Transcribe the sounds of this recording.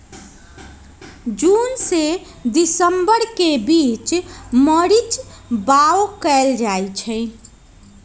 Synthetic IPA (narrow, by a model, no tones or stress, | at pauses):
d͡ʒunse | d̪isəmbəɾkebit͡ʃməɾit͡ʃbaokɛld͡ʒajt͡ʃʰəɪ